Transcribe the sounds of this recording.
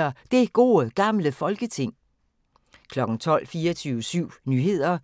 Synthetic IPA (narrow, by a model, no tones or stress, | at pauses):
ɐd̥e̝ɡ̥o̝̰ːəɡ̥ɑ̈mləfɒ̽lɡ̥ət͡sʰe̝ŋ̰ | kʰlɒ̽ɡ̥ŋ̩t͡sʰɒ̽l̰fiːɐt͡sʰyːʊsyʊ̰nyːɦe̝ð̞̰ˠɐ